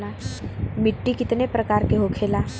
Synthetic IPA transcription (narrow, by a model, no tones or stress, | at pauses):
lamɪʈːikɪt̪nepɾɐkaːɾkeɦokʰeːlaː